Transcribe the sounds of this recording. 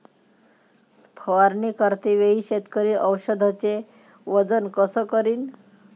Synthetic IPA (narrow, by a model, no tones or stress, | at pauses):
spʰəʋaɾnikəɾt̪iʋeɦiːɕet̪kəɾiːʔəwɕəd̪ʱat͡se | ʋəd͡zənkəsəkəɾiːn